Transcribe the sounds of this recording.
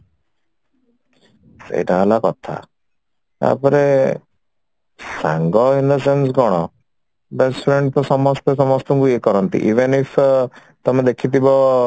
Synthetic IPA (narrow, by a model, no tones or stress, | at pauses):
sḛjʈaɦalakɔt̪ʰa̰ | a̰pɔɾe | sa̰ŋɡɔindɔs̬ens̬ɡɔɽ̃ɔ | bespʰɾeɳɖpɔsɔmɔst̪ɔsɔmɔst̪ɔŋkuekɔɾɔnt̪ḭʔiʋenipʰ | t̪ɔmed̪ekʰit̪ibɔ